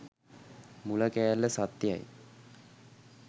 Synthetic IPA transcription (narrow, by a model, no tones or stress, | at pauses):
muləkæjalːəsat̪ja̰j